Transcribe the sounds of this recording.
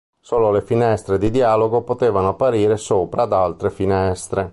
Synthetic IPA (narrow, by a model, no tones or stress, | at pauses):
soːlolefinɛst̪ɾed̪id̪iaːloɡopot̪eːvanoapːaɾiːɾesoːpɾaːd̪alt̪ɾefinɛst̪ɾe